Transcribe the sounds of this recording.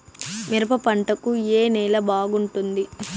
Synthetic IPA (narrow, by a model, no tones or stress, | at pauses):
miɾɐpɐpɐɳʈɐkueːnɛːlɐbaːɡuɳʈund̪i